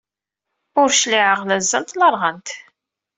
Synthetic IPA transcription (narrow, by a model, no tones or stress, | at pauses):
ʊɾʃliʕəʁlæzːənt̪lɑɾˤʁənt̪